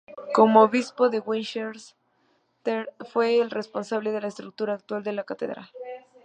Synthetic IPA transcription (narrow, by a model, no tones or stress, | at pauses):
ko̞mooβispo̞ðe̞ɣwinʃeɾs | t̪efwe̞ːlrespo̞nsaβleðe̞laest̪ɾuk̚t̪uɾaːk̚t̪wald̪e̞lakat̪e̞̰ðɾa̰l